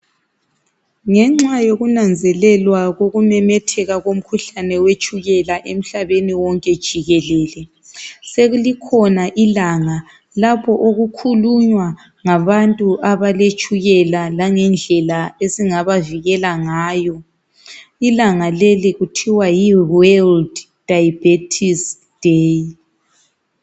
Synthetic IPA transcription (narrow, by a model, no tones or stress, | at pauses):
ŋɛŋ͡ǁajoɣunand͡zʱɛlɛlwaɣoɣumɛmɛtʰɛɣaɣom̩kʰuɬanɛwet͡ʃʼuɣɛlaʔem̩ɬaβeniwɔŋkʼɛd̥ʒ̥ʱiɣɛlɛːlɛ | seɣulikʰɔnaʔilaŋa | lapʰɔʔoɣukʰuluɲwa | ŋaβantʼuʔaβalet͡ʃʼuɣɛlalaŋɛnd͡ɮʱɛlaesiŋaβaviɣɛlaŋaːjɔ | ilaŋaleliɣutʰiwajiwɛld | d̥ajb̥etʰis | d̥ej